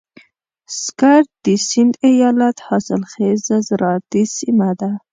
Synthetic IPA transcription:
skaɾt̪̚d̪isɪnd̪ajɑlat̪hɑsɪlxezazɾɑd̪isimad̪a

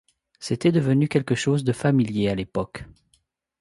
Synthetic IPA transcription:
set̪ɛd̪əvənykʲɛlkəʃozd̪əfamiljealepɔk

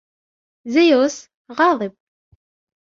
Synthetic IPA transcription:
zæjos | ʁɑðˤəb

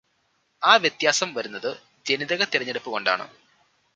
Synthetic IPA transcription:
aːʋjet̪jaːsɐmʋɐɾunːɐðɨ | d͡ʑe̞niðɐɣɐt̪iɾɐɲːeɽupːɨɣo̞ɳɖa̰ːɳɨ̰

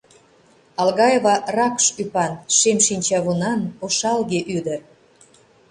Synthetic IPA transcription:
ɑlɣɑjevɑrɑkʃypɑnʃemʃinʲt͡ɕɑβunɑnoʃɑlɣeʔyd̪ə̆r

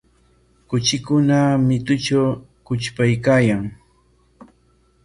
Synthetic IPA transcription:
kʊt͡ʃɪkʊnamɪt̪ʊt͡ʃawkʊt͡ʃpajkaːjaŋ

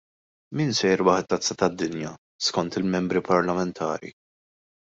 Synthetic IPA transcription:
miːnsɛjɾwɐħɛt̪ːɐt͡sːɐt̪ɐd̪ːɪnjɐ | skɔnt̪ɪlmɛmbɾipɐɾlɐmɛnt̪ʰɐ̰ːɾḭ

